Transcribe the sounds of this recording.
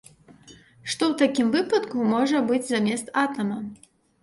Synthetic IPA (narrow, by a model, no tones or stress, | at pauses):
ʂt̪ɔwt̪akʲimvɨpɐt̪kumɔʐɐbɨd͡zʲzamʲɛst̪at̪ɐmɐ